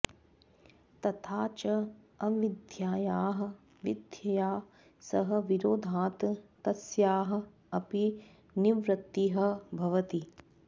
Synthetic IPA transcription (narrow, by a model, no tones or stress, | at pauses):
t̪ɐt̪ʰaːt͡ʃɐ | ɐʋid̪ʱjaːjaːɦɐ̆ | ʋid̪ʱjɐjaː | sɐɦɐ̆ʋiɾoːd̪ʱaːt̪t̪ɐsjaːɦɐ̆ | ɐpi | niʋɾɐt̪ːiɦɐ̆bʱɐʋɐt̪i